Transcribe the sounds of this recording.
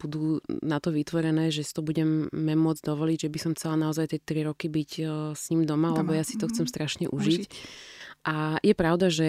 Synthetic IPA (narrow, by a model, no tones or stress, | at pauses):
b̥ud̪uːnat̪ɔʋit̪ʋɔɾɛnɛːʒɛsi̥t̪ɔbuɟɛmːɛmʊɔd͡zd̪ɔʋɔliɟʒɛbisɔmxt͡sɛlanaɔzajt̪ɪɛt̪ɾiɾɔkibicsɲiːmd̪ɔmalɛbɔjasi̥t̪ɔxt͡sɛmst̪ɾaʃɲɛʔuʒic | ʔajɛpɾaʊd̪aʒɛ